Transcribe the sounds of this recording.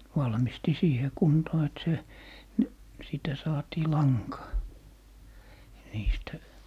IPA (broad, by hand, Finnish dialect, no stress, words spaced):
ʋɑlmisti siːhe kuntoː et se ni siˑtæ sɑːtiː lɑŋkɑː niːstæ